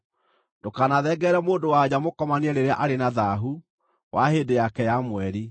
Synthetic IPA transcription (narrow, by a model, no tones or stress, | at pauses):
ndokanaðɛɡɛɾɛmoːndowad͡ʑamokɔmaneɛɾeɾeaʔaɾenaðaɦu | wʔaheːdejakɛjamwɛɾi